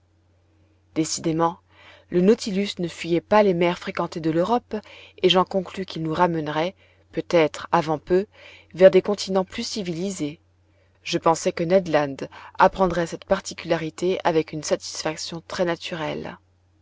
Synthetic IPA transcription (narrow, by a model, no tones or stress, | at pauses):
d̪̥esid̪emɑ̃ | lənɔt̪ʰilysnəfɥyjɛpalemɛʁfχekɑ̃t̪ed̪əløʁɔpeʒɑ̃kɔ̃klykʲilnuʁamɛnʁɛ | pøt̪ɛt̪χavɑ̃pø | vɛʁd̪ekɔ̃t̪ʰinɑ̃plysivilize | ʒəpɑ̃sɛkənɛd̪lɑ̃nd̪apχɑ̃d̪ʁɛsɛt̪paʁt̪ikʲylaʁit̪ea̰vɛkynsat̪i̥sfaksjɔ̃t̪χɛnat̪yʁɛl